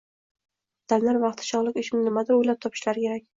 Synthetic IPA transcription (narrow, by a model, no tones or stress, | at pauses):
d̪̥amlaɾvɑqt̪ʰɪ̥ʃɒʁlˠɪkʲɪʃɪmɪnɪmad̪ɪɾojlap̚t̪ʰɒpʰɪ̥ʃlaɾɪkʲʰe̞ɾakʲ